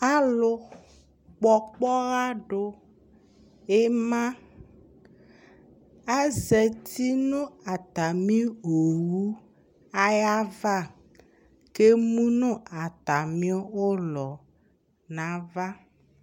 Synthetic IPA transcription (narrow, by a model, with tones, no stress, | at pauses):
a˦lo˦ | k͡pɔ˨k͡pɔ˦ɣa˦ɖo˦ | e˦mã˦ | a˦zɛ˨t̪i˦nũ˦a˨t̪a˨mĩ˦o˨wu˦ | a˦ja˦va˦˨ | ke˦mũ˦nũ˦a˨t̪a˨mĩ˦o˦wo˦lɔ˨ | nã˨va˦